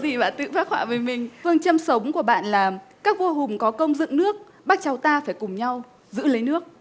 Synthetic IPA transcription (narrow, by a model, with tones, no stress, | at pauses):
zi˨˩ɓa̰ː˧˨nt̪ɨ̰˧˨faː˦˥k̚hwa̰ː˧˩vəː˨˦jmï˨˩ŋ̟fɨ˧əŋt͡ɕə˧msə˨˦wŋ͡mku˧˩əɓa̰ː˧˨nlaː˨˩mkaː˦˥k̚vo˧ɦʊ˨˩ŋ͡mkɔ˨˦kə˧wŋ͡mzɨ̰˧˨ŋnɨ˦˥ək̚ | ɓaː˦˥k̚t͡ɕa˨˦wt̪aː˧faː˧˩jkʊ˨˩ŋ͡mɲa˧w | zɨ̰˧˥lə˨˦jnɨ˦˥ək̚